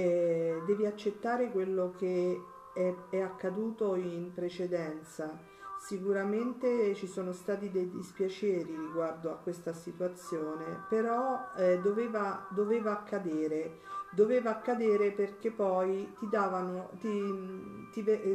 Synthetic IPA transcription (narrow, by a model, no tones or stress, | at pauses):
ɛd̪ɛːviat͡ʃːet̪ːaːɾekwelːok̟e | ɛɛakːad̪uːt̪oimpɾet͡ʃed̪ɛnt̪sa | sikuɾament̪et͡ʃisoːnost̪aːt̪id̪ejd̪ispjat͡ʃɛːɾiɾiɡward̪oakːwest̪asit̪uat̪sːjoːnepeɾɔɛd̪oveːvad̪oveːvaːkʰːad̪eːɾe | d̪oveːvaːkːad̪eːɾeperk̟epːɔjt̪id̪aːvanot̪i | t̪ive